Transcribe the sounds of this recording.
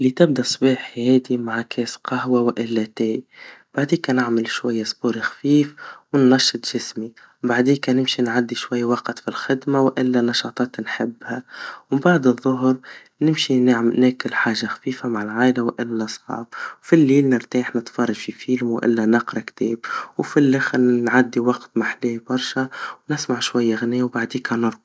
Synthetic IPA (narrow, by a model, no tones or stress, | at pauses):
lit̪ɪb̚d̪asˤbiːħhɛːd̪imaʕkʰɛːsqɑhwawʔɪlːat̪ɛːjb̥aʕd̪iːkanɪʕmɪlʃwajːasˤbuːɾixḁfiːfwɪnːɑʃːɨt̪ˤʒ̥ɪsmi | baʕd̪iːkanɪmʃinʕad̪ːiʃwajːwɑqt̪filxɪd̪mawʔɪlːanɑʃɑːt̪ˤɑːt̪nħɪbːhawbaʕd̪ɨðˤːʊɦɾ | nɪmʃinaʕmnækɪlħaːʒaxḁfiːfamaʕalʕaːʔlawʔɪlːasˤʕɑ̰ːbwfilːiːlnɪɾt̪iːħnɪt̪fɑrˤːɑʒfifiːlmwʔɪ̰lːænɑqɾˤɑkt̪ɛːbwfilːɪxnʕad̪ːiwɑqt̪maħliːbɑɾˤʃawnɪsmaʕʃwajːaɣniːwbaʕd̪iːkanʊɾ